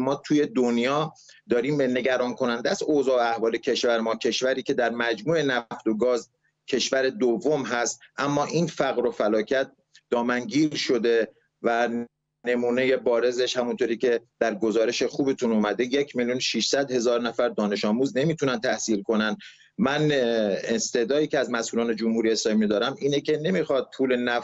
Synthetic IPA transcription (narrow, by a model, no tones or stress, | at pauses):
mɒːt̪ʰuːje̞d̪onjɒː | d̪ɒːɾiːmene̞ɡæɾɒːnkʰo̞nænd̪ææsoːzɒːæhvɒːle̞cʰe̞ʃvæɾemɒːcʰe̞ʃvæɾiːcʰe̞d̪æɾmæd͡ʒmuːe̞næft̪o̞ɡɒːz | cʰe̞ʃvæɾe̞d̪ovːomɦæst̪ʔæmːɒːʔinfæɣɾo̞fælɒːcʰæt̪̚ | d̪ɒːmæŋɟiːɾʃo̞d̪e | væ | ne̞muːne̞je̞bɒːɾe̞ze̞ʃhæmunt̪oːɾiːcʰe̞d̪̥æɾɡo̞zɒːɾe̞ʃexuːbet̪ʰunuːmæd̪e̞jecʰmiljunʃiʃsæd̪he̞zɒːɾnæfæɾd̪ɒːne̞ʃɒːmuːzne̞miːt̪ʰunænt̪ʰæhsiːlkʰo̞nænd̪ | mænest̪e̞d̪ɒːiːceæzmæsʔuːlɒːne̞d͡ʒomhuɾijeslɒːmimid̪ɒːɾæmiːnecʰe̞ne̞mixɒːd̪̥̚pʰuːle̞næf